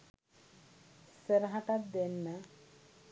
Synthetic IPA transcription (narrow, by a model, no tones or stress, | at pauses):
seɾɦaʈat̪̚d̪enːa